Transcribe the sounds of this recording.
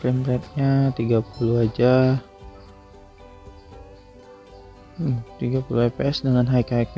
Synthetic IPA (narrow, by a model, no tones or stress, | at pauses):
pɾimɾɛt̪̚ɲat̪iɡapuluad͡ʒa | mt̪iɡapuluepeɛsdəŋanɦaikaik